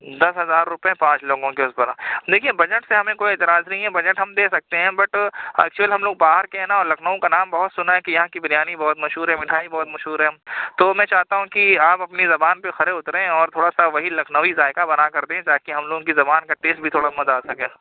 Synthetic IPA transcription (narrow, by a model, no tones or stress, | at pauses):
d̪ɐsɦɐzaːɾːʊpẽpãːt͡ʃloːɡõkeʊsbɐɾad̪eːkʰiebɐd͡ʒəʈseɦɐmẽkoːieːt̪ɪɾaːznɐɦĩɦɛbɐd͡ʒəʈɦɐmd̪eːsɐk̚t̪eɦɛ̃ːbɐʈɛ̰ːk̚t͡ʃuəliɦɐ̃mloːɡ̚baːɦəɾkeɦɛnaɔːɾlɐkʰnəʋõkanaːmbɐɦʊt̪sʊnaɦɛkijɐɦãkibɪnjaːnibɔːt̪mɐʃɦuːɾɦɛmɪʈʰaːibɔːt̪mɐʃɦuːɾɦɛt̪oːmɛ̃ːt͡ʃaːɦt̪aɦũkiaːpɐpnizɐbaːnpexɐɾeʊt̪ɾeẽɔːɾt̪ʰoːɽasaʋɐɦilɐkʰnəʋizaːɪkabɐnakɐɾd̪ẽɦɛ̃t̪aːkeɦɐ̃mloːɡõkizɐbaːnkaʈeːsʈ̚bʱit̪ʰoːɽamɐt̪aːsɐkeː